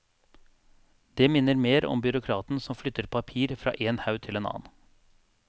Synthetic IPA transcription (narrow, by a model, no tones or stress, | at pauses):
d̪eːmɪnːəɾmeːɾɔ̰mbʏɾʊkʰɾɑːt̪n̩sɔmflʏt̪ːəɾpʰɑpʰiːɾfɾɑ̰ːʔeːnhɑʉt̪ʰɪleːnɑ̰ːn